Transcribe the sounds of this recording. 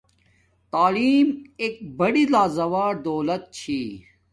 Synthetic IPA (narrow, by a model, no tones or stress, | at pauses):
t̪aːliːmeːk̚bɐɽilaːzɐʋaːɾd̪oːlɐt̪̚t͡ɕʰiː